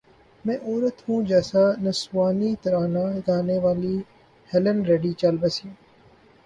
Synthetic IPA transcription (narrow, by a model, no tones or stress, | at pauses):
mɛ̃ːʔoːɾət̪hũːd͡ʒɛːsanɐsʋaːnit̪ɐɾaːnaːɡ̪aːneːʋaːliː | hɛlənɾeːɖiːt͡ʃalbəsĩ